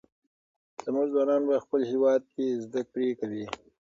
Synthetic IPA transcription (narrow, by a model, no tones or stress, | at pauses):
z̥amuʒzwɑːnɑːnbaxpəlhiwɑd̪̚kezd̪ak̚pɾekawi